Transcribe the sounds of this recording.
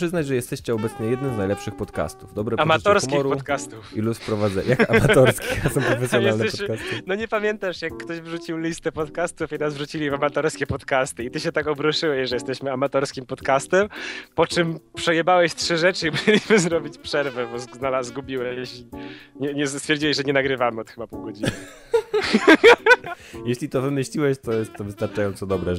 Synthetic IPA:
ʂɘznad͡ʑʐɛjɛst̪ɛɕt͡ɕɛɔbɛt̪sɲɛjɛd̪nɘmznajlɛpʂɘxpɔt̪ka̰st̪uvd̪ɔbɾɛamaɔɾskʲiɔɾpɔt̪kast̪ufilufpɾɔvad̪zɛ̰jakamat̪ɔɾskʲijasɔ̃mpɾɔfɛsʲjɔnj̪ɛalnɛɕɔkasnɔɲɛpamʲjɛnt̪aʂjakːt̪ɔʑvʐut͡ɕiwlʲist̪ɛpɔt̪kast̪ufinazvʐut͡ɕilʲivamat̪ɔɾskʲɛpɔt̪kast̪ɨit̪ɘɕɛt̪akɔbɾɔʂɘwɛɕʐɛjɛst̪ɛɕmɘamat̪ɔɾskʲimpɔt̪kast̪ɛmpɔt͡ʂɘmpʂɛjɛbawɛɕtʂɘʐɛt͡ʂɘibɔvelʲiɕmɘzɾɔbʲit͡ɕpʂɛɾvɛbɔzznalaːɡubʲiwɛjɕʲiɲɛɲɛst̪fʲjɛɾd͡ʑiwɛʑʐɛɲɛnaɡɾɘvamɘɔt̪xɘbapuwɡɔd͡ʑinn | jeɕlʲit̪ɔvɘmɘɕlʲiwɛɕt̪ɔjɛst̪ːɔvɘɨst̪aɾt͡ʂajɔ̃nsɔd̪ɔbɾɛ

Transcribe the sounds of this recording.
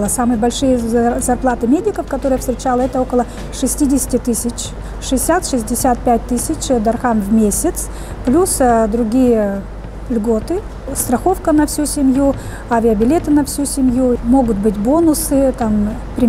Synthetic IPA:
lˠəsamɨjəbɐlʲʂɨjəzɐrplˠat̪ɨmʲedʲɪkəfkɐt̪o̞ɾɨjəst̪ɾʲɪt͡ɕalˠəɛt̪əokəlˠə | ʂɨsʲtʲidʲɪsʲɪ̥tʲɪt̪ɨsʲɪt͡ɕ | ʂɨɪsʲat̪ʂɨsʲdʲɪsʲat̪̚pʲæt̚ʲt̪ɨsʲɪt͡ɕd̪ɐrxanvmʲesʲɪt̪s | plʲusd̪ɾʊɡʲijə | lʲɡo̞t̪ɨ | st̪ɾɐxo̞fkənɐfsʲusʲɪmʲju | avʲɪəbʲɪlʲe̞t̪ɨnɐfsʲusʲɪmʲjumo̞ɡʊt̪̚bɨtʲbonʊsɨt̪ampɾʲɪ

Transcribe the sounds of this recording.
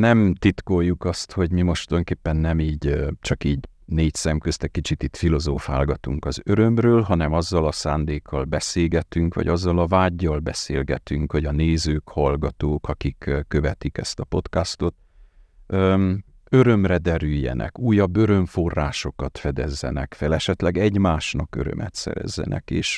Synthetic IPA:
nɛmt̪it̪kojːukɒst̪ho̞ɟmimo̞ʃt̪ojoŋkeːpːɛnːɛmiːɟt͡ʃɒkiːɟ | neːcsɛmkøst̪ɛkːit͡ʃit̪it̪filo̞zoːfa̰ːlɡɒt̪uŋkɒzø̞ɾø̞mrøːlɦɒnɛmɒzːɒlɒsaːnd̪eːkʰːɒlbɛseːɡɛt̪yŋkʋɒ̰ɟɒzːɒlɒvaːɟːɒlbɛsḛːlɡɛt̪yŋkʋoɟɒneːzøːkhɒlɡɒt̪oːkɒkikkːø̞vɛt̪ikɛst̪ɒpo̞t̪kast̪o̞t̪ː | øɾø̞mrɛd̪ɛɾyjːɛ̰nʔɛ̰kuːjːɒbːø̞ɾø̞ɱfo̞rːaːʃo̞kɒt̪fɛd̪ɛzːɛ̰nɛkfɛlɛʃɛt̪lɛɡɛɟmaːʃnɒkø̰ɾø̰mɛ̰t̪sɛ̰ɾɛ̰zːɛ̰nʔɛ̰kḛːʃ

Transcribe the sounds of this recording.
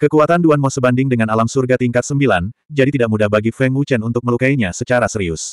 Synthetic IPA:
kəkuat̪anduanmɔsəbandɪŋdəŋanalamsurɡat̪iŋkat̪səmbiland͡ʒadit̪idaʔmudahbaɡifɛŋut͡ʃɛnunt̪ʊk̚məlukaiɲasət͡ʃaɾasəɾiʊs

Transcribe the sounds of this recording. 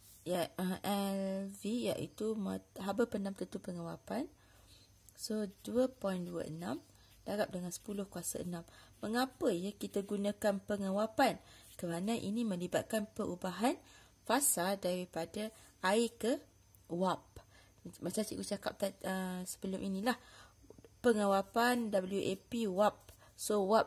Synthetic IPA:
jaʔəʔɛlvija̰ʔḭt̪umaɦabəpənamt̪ənt̪upəŋə̃wapan | soduəpɔinduə̰ʔə̰nãm | d̥aɾap̚dəŋansə̥pulʊhkuasa̰ə̰nãmː | əŋapəjəkit̪aɡunãkanpəŋəwapankəɾanaʔinĩmə̃libat̪̚kanpəɾubaɦan | fasaldaɾipadaʔaikə | wap̚ | mət͡ʃat͡ʃḭʔkut͡ʃaka̰p̚t̪aəsə̥bəlʊmʔinĩlah | pəŋawapandabəliuʔepiwap̚ | sowap̚

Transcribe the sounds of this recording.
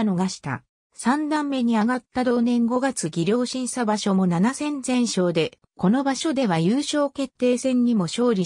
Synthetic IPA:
noɡaɕi̥t̪a̰ | sãnd̪ãmːe̞ɲ̟iaɡat̪ːad̪o̞ːnẽ̞ŋɡo̞ɡat͡sɨɡʲiɾʲjo̞ːɕĩɰ̃ɕabaɕo̞mo̞nanasẽ̞nd͡zẽ̞ɰ̃ɕo̞ːd̪e̞ | ko̞no̞baɕo̞d̪e̞β̞ajɯːɕo̞ːke̞t̪ːe̞ːsẽ̞ɲ̟ːimo̞ɕo̞ːɾʲi

